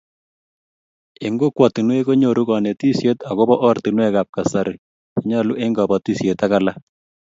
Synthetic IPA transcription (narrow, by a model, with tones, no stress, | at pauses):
e˨ŋɡo˦kwa˨ti˨nwe˦ko˦ɲo˨ɾu˦kɔ˨ne˨ti˦sje˦ta˨ɣo˦bɔ˦ʔɔ˦rti˨nwɛ˦ka˨p̚ka˨sa˨ɾɪ˨ | ki˦ɲa˦lu˦ʔe˦ŋɡɔ˨bɔ˨ti˦sjeta˦ka˨la˦